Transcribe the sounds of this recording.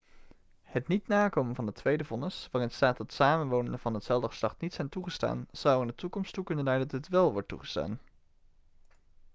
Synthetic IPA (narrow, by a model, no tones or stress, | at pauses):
hətnitnaːkowmənvɑndətʋejdəvɔnəsʋaːrɪnətstaːt̚dɑtsaːmənʋownəndəvɑnɦətsɛlˠdəχə̥slɑχtnitsɛjntuχəsta̰ːnz̥ɑwɪndətukɔmstukɵnənlɛjdtətʋɛlˠʋɔɹtṵχə̥sta̰ːn